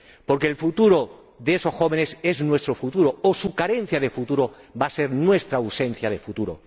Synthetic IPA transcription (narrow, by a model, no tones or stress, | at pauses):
po̞ɾkeːlfut̪uɾo̞ | ðeeso̞sxo̞β̞e̞ne̞se̞znwe̞st̪ɾofut̪uɾoosukaɾe̞n̟θjað̞e̞fut̪uɾo̞base̞ɾnwe̞st̪ɾause̞n̟θjað̞e̞fut̪uɾo̰